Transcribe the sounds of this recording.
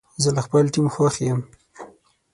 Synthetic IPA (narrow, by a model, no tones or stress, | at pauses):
zəlaxpəlʈimxwɑxejəm